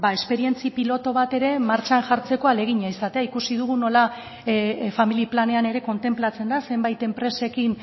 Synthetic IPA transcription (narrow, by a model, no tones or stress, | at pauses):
bae̞spe̞ɾie̞nt͡sipilo̞t̪o̞β̞at̪e̞ɾe̞maɾt͡ʃanʝaɾt͡se̞ko̞ale̞ɣ̞iɲaisat̪e̞aikusið̞uɣ̞uno̞la | familiplane̞ane̞ɾe̞ko̞nt̪e̞mplat͡se̞nd̪ase̞mbajt̪e̞mpɾe̞se̞kin